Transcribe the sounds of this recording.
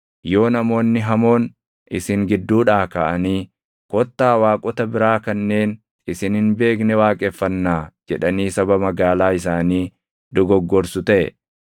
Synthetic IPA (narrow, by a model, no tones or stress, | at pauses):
jo̞ːnɐmo̞ːnːɪɦɐmo̞ːn | ʔɪsɪŋɡɪd̪ːuːᶑaːkaːʔɐniː | kɔt̪ːaːwaːkʼɔt̪ɐbɪɾaːkɐnːe̞ːn | ɪsɪnhɪnbe̞ːknɛwaːkʼɛfːɐnːaːd͡ʒɛᶑɐniːsɐbɐmɐɡaːlaːɪs̬aːniː | d̪ɔɡɔɡːɔɾsʊt̪ɐʔɛ̰